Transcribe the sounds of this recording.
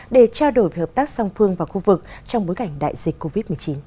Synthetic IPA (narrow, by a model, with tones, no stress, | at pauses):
ɗe˧˩t͡ɕaː˧wɗo˧˩jvhəː˨˩p̚t̪aː˦˥k̚sa˧wŋ͡mfɨ˧əŋvaː˨˩wxu˧vɨ˨˩k̚t͡ɕɔ˧wŋ͡mɓo˨˦jka˧˩jŋ̟ɗa̰ː˧˨jzï˨˩k̟ko˧vi˦˥t̚mɨ˨˩ət͡ɕi˨˦n